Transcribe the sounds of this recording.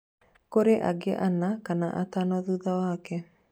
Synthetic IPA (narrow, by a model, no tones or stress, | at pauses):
koɾeʔa̰ɡeʔanakanaʔatanɔðuðawaːkɛ